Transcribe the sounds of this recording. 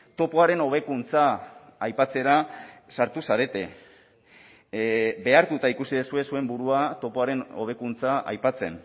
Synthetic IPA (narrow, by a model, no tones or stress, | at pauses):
t̪o̞poaɾe̞no̞β̞e̞kunt͡saːjpat͡se̞ɾasaɾt̪usaɾe̞t̪e̞ | be̞aɾt̪ut̪aikusiðesue̞sue̞mbuɾuat̪o̞po̞aɾe̞no̞β̞e̞kunt͡saa̰jpat͡se̞̰n